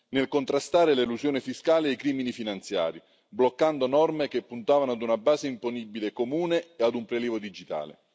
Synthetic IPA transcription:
nelkont̪ɾast̪aːɾeleluzjoːnɪfiskaːlɪjkɾiːminifinant̪sja̰ːɾi | blokːand̪onɔrmek̟epːunt̪aːvanoad̪unabaːzeimponibilekomuːneːad̪umpɾeliːvod̪id͡ʒit̪a̰ːlḛ

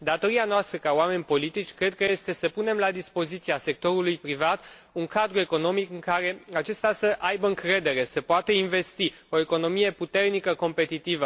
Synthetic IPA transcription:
d̪at̪o̞ɾianoast̪ɾəkaoame̞nʲpo̞lit̪it͡ʃʲkɾe̞d̪̚kəje̞st̪e̞səpune̞mlad̪ispo̞zit̪siase̞k̚t̪o̞ɾulujpɾivat̪uŋkad̪ɾue̞ko̞no̞mikɨŋkaɾe̞at͡ʃe̞st̪asəʔajbəɨŋkɾe̞d̪e̞ɾe̞səpoat̪əinve̞st̪io̞e̞ko̞no̞mije̞put̪e̞rnikəko̞mpe̞t̪it̪ivə

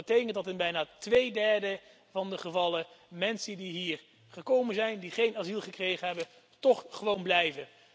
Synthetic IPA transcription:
ətejkəntdɑtɪnbɛjnaːtʋejdɛɹdə | vɑndəχəvɑləmɛnsədiɦiːɹ | χəkowmənzɛjndiχejnazilˠχəkrejχənɦɛbən | tɔχχəʋownblɛjvən

